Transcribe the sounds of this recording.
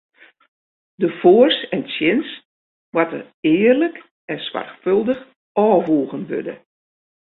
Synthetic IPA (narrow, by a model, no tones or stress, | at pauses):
dəfoərsɛntsjɪns | watə̰r | ɪːərlək | ɛnswa̰rxfølˠdəx | ɔːʋuːɣənʋø̰də̰